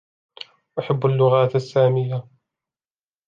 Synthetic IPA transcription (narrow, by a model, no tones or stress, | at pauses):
ʔaħabːalːʊɣaːt̪asːaːmɪjːa